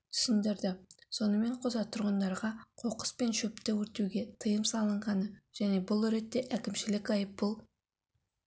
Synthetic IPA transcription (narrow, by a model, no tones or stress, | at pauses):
t̪ʰʏ̥sɪnd̪ɪɾd̪ɪso̞nəme̞ɴqʰozɑt̪ʰʊɾʁənd̪ɑɾʁɑqʰo̞qə̥spe̞nʃɵpt̪ewɵɾt̪ewɡʲe̞t̪ʰəjəmsɑlˠəɴʁɑnəʒ̥æne̞bʊlˠɵɾe̞t̪ːe̞ʔækʲɪmʃɪlɪkɑjəp̚bʊlˠ